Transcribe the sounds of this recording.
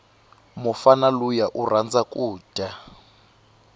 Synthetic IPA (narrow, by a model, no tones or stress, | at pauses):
mufanalujaʔurand͡zakʼuːd̥a